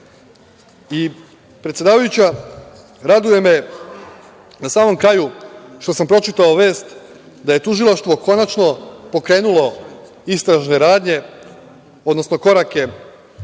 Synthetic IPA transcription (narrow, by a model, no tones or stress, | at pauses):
i | pɾet̪sje̞d̪aːʋajut͡ɕa | ɾad̪uje̞me̞ | nasaːmo̞mkɾaːjuʃt̪o̞sampɾo̞t͡ʃit̪aoʋe̞ːst̪ | d̪aje̞t̪uʒilˠaʃt̪ʋo̞ko̞nat͡ʃno̞po̞kɾe̞ːnulo̞ | ist̪ɾaʒne̞ɾaːd̪ɲe̞ | o̞d̪no̞sno̞ko̞ɾake̞